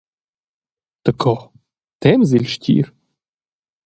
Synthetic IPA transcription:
t̪əkʰɔ | t̪ɛmzilʲʃtʲʰḭɾ

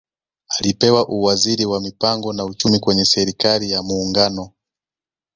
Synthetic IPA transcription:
alipɛwaʔuwaziɾiwamipaŋɡɔnaut͡ʃumikwɛɲɛsɛɾikalijamuːŋɡanɔ

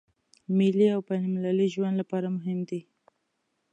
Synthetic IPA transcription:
mɪliawpajnamlaliʒwand̪lapɑɾamʊɦɪmd̪i

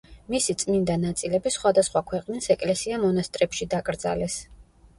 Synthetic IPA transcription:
misit̪sʼmind̪anat̪sʼilɛbisχwad̪asχwakʰwɛqʼnisɛkʼlɛsiamɔnast̪ʼɾɛpʃid̪akʼɾd̪za̰lɛs

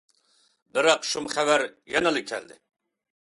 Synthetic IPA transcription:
bɪɾɑqʃumχæwæɾjɛnɨlˠɨkʲʰːɛ̰ld̪ɪ̰

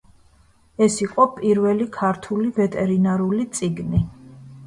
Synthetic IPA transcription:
ɛsiqʼɔpʼiɾvɛlikʰaɾt̪ʰulivɛt̪ʼɛɾinaɾulit̪sʼiɡni

